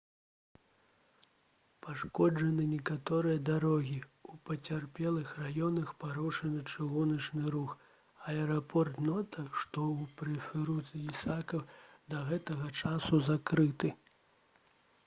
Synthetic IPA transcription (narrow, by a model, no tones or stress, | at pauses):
paʂkɔd͡ʐɐnɨnʲɛkat̪ɔɾɨjɐd̪aɾɔɣʲiupɐt͡sʲarpʲɛlˠɨxrajɔnɐxpaɾuʂɐnɨt͡ʂɨɣunɐt͡ʂnɨɾux | ɐɛɾapʰɔrt̪nɔt̪ɐʂt̪ɔupɾɛfʲɛɾuzisakɐwd̪ɐɣɛt̪ɐɣɐt͡ʂasuzakɾɨt̪ɨ